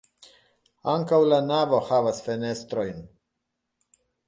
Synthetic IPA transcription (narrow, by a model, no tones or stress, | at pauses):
aŋkawlanavo̞havasfene̞st̪ɾo̞jn